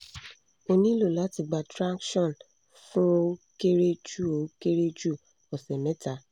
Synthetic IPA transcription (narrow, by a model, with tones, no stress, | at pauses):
o˧nĩ˦lo˦˨la˨˦ti˧˨ɡ͡ba˨tɾa˦kʃɔ̃˦˨n | fũ˦o˧ke˦ɾe˦d͡ʒu˦˨o˨˦ke˦ɾe˦d͡ʒu˦˨ | ɔ˨sɛ˨mɛ̃˨˦ta˨˦